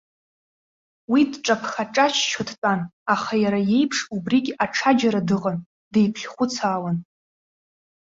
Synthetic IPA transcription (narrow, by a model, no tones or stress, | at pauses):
widʈ͡ʂʼapʰχaʈ͡ʂʼat͡ʃʰt͡ʃʰotʰt͡pʼanaχajaɾaje̞jpʰʂubriɡʲaʈ͡ʂʰad͡ʒaɾadɨʁʼan | d̥e̞jpʰɬʲχʷʊt͡sʰaːlan